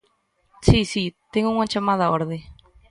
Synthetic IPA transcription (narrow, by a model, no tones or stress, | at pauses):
sisit̪eŋɡoŋat͡ʃamaðaoɾðe